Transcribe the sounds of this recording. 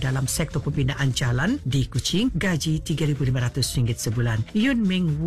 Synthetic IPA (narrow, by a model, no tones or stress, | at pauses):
dalamsɛk̚t̪ɔpəbinaʔand͡ʒalandikut͡ʃɪŋɡad͡ʒit̪iɡaɾibulimaɾat̪ʊsɾiŋɡɪt̪̚səbulanjʊnmɪŋw